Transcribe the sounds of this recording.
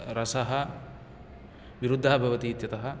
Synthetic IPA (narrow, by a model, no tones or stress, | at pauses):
ɾɐsɐɦɐ̆ | ʋiɾud̪ʱːɐɦɐbʱɐʋɐt̪iːt̪jɐt̪ɐɦɐ̆